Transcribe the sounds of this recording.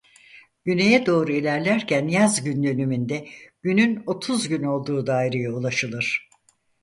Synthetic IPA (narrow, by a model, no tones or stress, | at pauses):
ɟ̥ynejɛd̪o̞ːɾuilʲæɾlʲæɾcʰænjazɟynd̪ø̞nymynd̪ɛɟ̥ynyno̞t̪ʰuzɟyno̞lˠd̪uːd̪aːjɾejaulˠaʃɯlˠɯɾ̥